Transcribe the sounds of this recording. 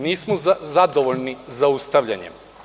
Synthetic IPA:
niːsmoazad̪oʋoʎnizaust̪aʋʎa̰ɲḛm

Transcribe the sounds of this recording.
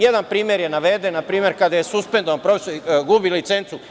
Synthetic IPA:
jed̪anpɾiːmjeɾjenaʋed̪enːapɾiːmje̞ɾkad̪ajesuspend̪oʋanpɾo̞fesoɾiɡubilit̪se̞nt̪su

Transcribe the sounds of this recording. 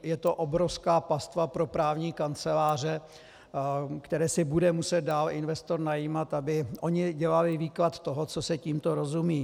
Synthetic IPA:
jɛt̪oʔobɾofskaːpast̪vapɾo̞pɾaːvɲiːkant͡sɛlaːr̝ɛ | kt̪ɛɾɛːsɪbudɛmusɛt̪̚daːlɪnvɛst̪o̞ɾnajiːmat̪abɪʔoɲɪɟɛlalɪviːklat̪t̪ːoɦot͡sosɛciːmt̪oɾozumiː

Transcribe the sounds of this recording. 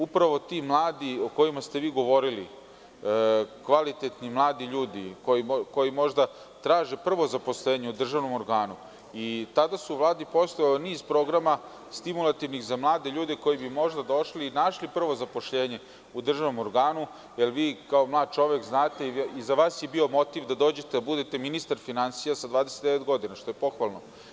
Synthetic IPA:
upɾaʋo̞t̪imlˠaːd̪io̞ko̞jimast̪eʋiːɡo̞ʋo̞ɾilḭ | kʋalit̪et̪nimlˠaːd̪iʎuːd̪ḭkoiko̞jimo̞ʒd̪a | t̪ɾaːʒe̞pr̩ʋo̞zapo̞sleːɲeud̪r̩ʒaʋno̞mo̞ɾɡaːnu | it̪ad̪asuuʋlˠaːd̪ipo̞st̪ojalniːzpɾo̞ɡɾama | st̪imulˠat̪iʋnixzamlˠaːd̪e̞ʎuːd̪e̞ko̞jibimo̞ʒd̪ad̪o̞ʃliːnaʃlipr̩ʋo̞zapo̞ʃʎeːɲe̞ | ud̪r̩ʒaʋno̞mo̞ɾɡaːnu | jelʋiːkaomlˠaːd̪̚t͡ʃo̞ʋekznaːt̪e̞izaʋaːsjebio̞mo̞t̪iʋd̪ad̪o̞ːd͡ʑet̪ed̪abud̪et̪e̞minist̪aɾfinansijasad̪ʋaːd̪ese̥t̪d̪eʋet̪ɡo̞d̪inaʃt̪o̞je̞po̞xʋalˠno̞

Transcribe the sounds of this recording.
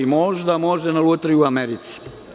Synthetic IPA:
imo̞ʒd̪amo̞ʒd̪enalˠut̪ɾiuameɾit̪si̥

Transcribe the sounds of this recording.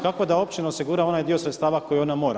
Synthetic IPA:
kako̞d̪ao̞pt͡ʃinaosiɡuːɾao̞najd̪io̞sɾet̪st̪aːʋako̞jio̞namo̞ːɾa

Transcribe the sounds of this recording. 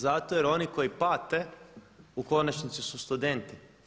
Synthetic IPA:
zat̪ojeɾo̞niko̞jipat̪e | uko̞nat͡ʃnit̪sisust̪ud̪e̞nt̪i

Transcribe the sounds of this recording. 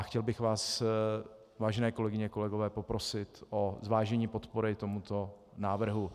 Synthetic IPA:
axcɛlbɪxvaːs | vaːʒɛnɛːko̞lɛɡɪɲɛko̞lɛɡo̞vɛːpo̞pɾo̞sɪt̪ʔozvaːʒɛɲiːpo̞t̪po̞ɾɪt̪o̞mut̪o̞ | naːvr̩ɦu

